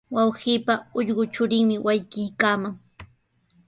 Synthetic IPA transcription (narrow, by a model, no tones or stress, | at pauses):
wɑwhiːpaʊʎɢʊt͡ʃʊɾɪŋmɪwajkɪjkaːmaŋ